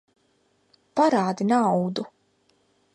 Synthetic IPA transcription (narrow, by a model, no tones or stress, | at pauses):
paɾaːd̪inawd̪u